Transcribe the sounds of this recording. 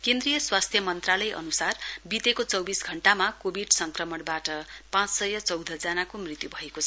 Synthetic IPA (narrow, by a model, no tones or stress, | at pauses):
kẽnd̪rijʌswast̪ʰjʌmʌnt̪ralʌjʔʌ̰nusarbit̪ekot͡sʌwbisɡʱʌɳʈamakobʱiɖsʌŋkrʌmʌɽbaʈʌpãt͡ssʌjʌt͡sʌwd̪ʱʌd͡zanakomrit̪jubʱʌekot͡sʰʌ